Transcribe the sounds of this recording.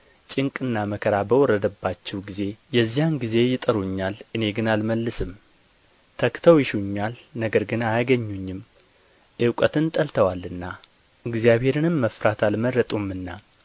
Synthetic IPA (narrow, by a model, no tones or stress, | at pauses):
t͡ʃʼɪŋkʼɨnːaməkʰəɾabəwɔrːəd̪əbːat͡ʃːɛwɡize̞jɛzːijanɡize̞jɪt̪ʼəɾuɲːalʔɨne̞ɡɨnalməlːɨsɨm | t̪ʰəkt̪ʰəwjɪʃuɲːalnəɡəɾɡɨnajaɡəɲːuɲːɪm | ʔɨwkʼət̪ʰɨnt̪ʼəlt̪ʰəwalːɨnːa | ɨɡzijaβhe̞ɾɨnɨmːəfɾat̪ʰalməɾːət̪ʼumɨnːa